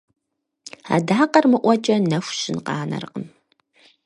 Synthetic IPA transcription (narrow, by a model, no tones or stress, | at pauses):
a̰ːdaːqɐrmɨʔʷɔt͡ʃʼɐnɐfʷɕɪnqɑ̰ːnɐ̰rqən